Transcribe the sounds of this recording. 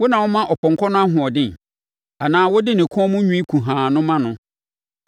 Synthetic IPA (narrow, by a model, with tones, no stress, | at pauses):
wɔ˦nã˨wɔ˦mã˦ʔɔ˨pɔ̃˨ŋkʰɔ˦nʊ̃˦a˦ɦʊ̃˨ɔ˨dɪ̃˦n˨ | a˨nãː˨˦wɔ˦dɪ˦nɪ̃˨kʰɔ˦mʊ̃˦ɲᶣũ˦i˦kʰũ˨ɦãː˨nʊ̃˦mã˦nʊ̃˦